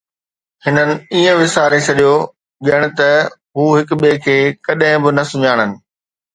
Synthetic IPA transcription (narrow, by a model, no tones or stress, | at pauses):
hɪnənɪ̆iːə̃ʋɪsaːɾesʰɐɗijo | ɠijəɽ̃ɪ̆t̪ɐ | ɦuːɦɪkɓekʰeːkɐɗɦɪ̃bɪnɐsʊɲaːɽ̃ənɪ̆